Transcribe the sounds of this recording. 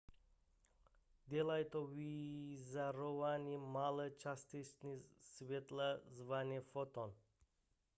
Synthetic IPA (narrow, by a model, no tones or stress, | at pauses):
d̪elajt̪ovizaɾɔvanimalˠət͡ʃast̪it͡ʃnisvet̪lˠazvanʲɛfɔt̪ɔn